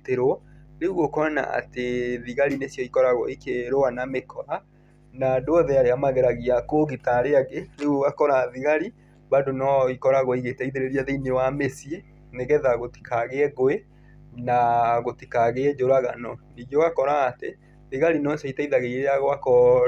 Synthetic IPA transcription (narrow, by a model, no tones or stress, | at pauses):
teɾoɔneuɣokɔna̰ʔa̰teðiɣaɾinesijɔikɔɾaɣɔikeɾoanamekɔɾa | nadoɔðɛaɾeamaɣɛɾaɣiakoɣitaɾeaɣeneuɣoɣakɔɾaðiɣaɾi | βadonɔikɔɾaɣɔiɣetaiðeɾeɾiaðeinewamesie | neɣɛðaɣoti̥kaɣeɛɣoe | naɣotikaɣeɛd͡ʒoɾaɣa̰nɔniɣoɣakɔɾaːte | ðiɣaɾinɔnsɔitaiðaɣeiɾeeaɣoakɔ